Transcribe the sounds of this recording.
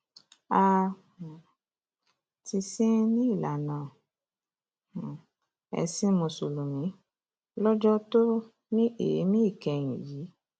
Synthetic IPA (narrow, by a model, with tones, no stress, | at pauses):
a˦˧˨ | ti˧sĩ˦nĩ˦i˦˨la˨nãː˨ | ɛ̰˧si˦mõ˧so˨lo˨mĩ˨˦ | lɔ˦d͡ʒɔ˦to˦ | nĩ˦ḛ˨˦mĩ˦i˦˨kɛ˧˨j̃ḭ̃˨ji˨˦